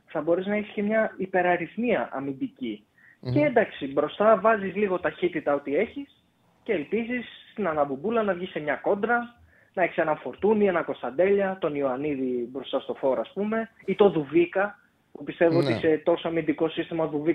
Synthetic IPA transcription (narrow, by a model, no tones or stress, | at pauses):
θɐbo̞ɾeznɐiçisce̞mɲɐipe̞ɾɐɾiθniɐʔɐ̰mind̪ici | ceend̪ɐksibɾo̞st̪ɐvɐzizliɣo̞t̪ɐçit̪it̪ɐo̞t̪ie̞çis | ce̞ːlpizisst̪inɐnɐbubulɐnɐvʝise̞mɲɐko̞nd̪ɾɐ | nɐeçi̥se̞nɐnfo̞ɾt̪unie̞nɐko̞st̪ɐnd̪e̞ʎɐt̪o̞nioɐniðibɾo̞st̪ɐst̪o̞fo̞ɾoɐːspume̞it̪o̞ðuvikɐ | pupist̪e̞voot̪ise̞t̪o̞soɐmind̪iko̞sist̪imɐðuvi